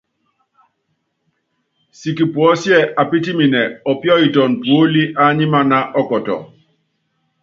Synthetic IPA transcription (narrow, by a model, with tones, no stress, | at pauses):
si˨ki˨pwɔ˨˦sjɛ˦˨ʔa˨pi˦ti˦mi˨nɛ˨ɔ˨pjɔ˦i˨tɔ˨npwo˦li˦ʔa˦ɲi˦ma˦na˦ʔɔ˦kɔ˨tɔ̰˨